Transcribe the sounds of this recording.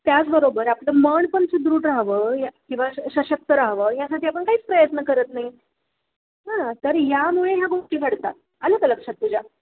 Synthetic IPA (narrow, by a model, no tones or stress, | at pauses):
t̪jat͡sbəɾobəɾapləməɳpəɳt͡səd̪ɾuːʈɾaɦʋəːjakĩw̃ʋaɕəɕək̚t̪əɾaɦʋəːjasaʈʰiːapəɳkaɦiːt͡spɾəjət̪nəkəɾət̪naɦi | ɦãt̪əɾjamuɭejaɡoʂʈiːɡʱəɽt̪a̰t̪̚ | ələɡləkʂat̪ːud͡ʑʱa